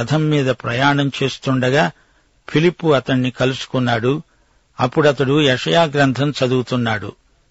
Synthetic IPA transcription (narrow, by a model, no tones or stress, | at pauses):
ɐd̪ʰʱɐmːiːd̪ɐpɾɐjaːɳɐmt͡ʃe̞ːst̪uɳɖɐɡaː | pʰilipːuɐt̪ɐɳːikɐlusu̥kunːaːɽu | ɐpːuɽɐt̪ɐɽujɛʂɐjaːɡɾɐnt̪ʰɐmt͡ʃɐd̪uut̪unːaːɽṵ